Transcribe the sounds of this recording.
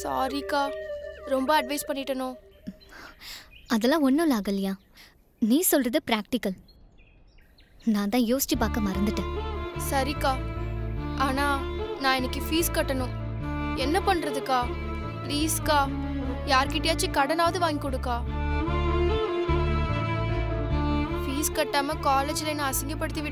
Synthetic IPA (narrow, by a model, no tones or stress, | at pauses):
sa̰ːɾikaːɾɔmbɐɐɖʋɐɪspɐɳːɪʈːɐnõː | ɐðɛlːãːɔnːʊlaːɣɐlːɪjaː | niːsɔlrɐðɯpɾaːk̚ʈɪkɐl | nãːt̪ãːjoːsɪ̥ʈːɯpaːkɐmaːɪɾɯnd̪ɯʈːɯsɐɾikaː | aːnaːnãːɛnɛkːɯfiːskɐʈːɐnʊ̃ | ɛnːɐpɐɳːɾɐðɯkːaː | pliːskaː | jaːɾkɪʈːejaːt͡ʃːikɐɽɐnaːʋɐðɯʋaːŋɡikɔɽɯkːaː | fiːskɐʈːaːmɐkaːleːd͡ʒɪlenãːɐsɐŋɡɐpːɐɽɯt̪ːiʋɪ